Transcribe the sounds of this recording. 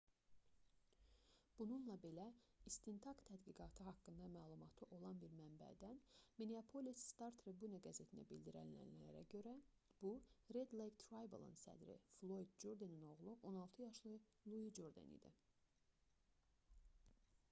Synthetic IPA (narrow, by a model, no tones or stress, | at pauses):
b̥ununlˠɑbe̞læist̪int̪ʰɑkt̪ʰæd̪ɡiɡɑt̪ʰɯɦɑkːɯnd̪ɑmæːlˠumɑt̪ʰɯʔo̞lˠɑnbiɾmæmbæ̰d̪ænmeneapʰo̞lisst̪ɑɾt̪ʰɾebuneɡæze̞t̪ʰinæ̰bild̪iɾæ̰nlæ̰nlæɾæ̰ɟø̞ɾæ | b̥uɾe̞d̪lˠejkt̪ʰɾɑjbḛlˠɯ̰nsæ̰d̪ɾḭflˠojd̪̚d͡ʒoɾd̪enino̞ʁlˠuʔo̞nɑlˠt̪ʰɯjɑʃlˠɯ | lˠuid͡ʒoɾd̪ḛnḭd̪ḭ